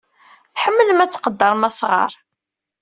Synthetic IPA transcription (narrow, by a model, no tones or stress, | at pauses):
θħəmːələmæt͡sːqəd̪ːɑɾˤmæsʁɑ̰ɾˤ